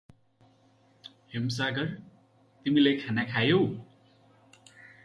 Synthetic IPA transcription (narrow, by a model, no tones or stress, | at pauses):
hems̬aɡʌr | t̪imilejkʰanakʰajo